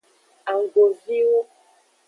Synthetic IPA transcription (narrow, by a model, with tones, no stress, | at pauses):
a˨ŋ˨ɡo˨vi˦wo˦